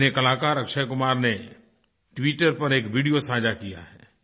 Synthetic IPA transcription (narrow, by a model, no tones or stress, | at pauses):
nekɐlaːkaːɾɐkʃəjkʊmaːɾne | ʈwiːʈəɾpɐɾekʋiːɖijosãːd͡ʒakija̰ɦɛː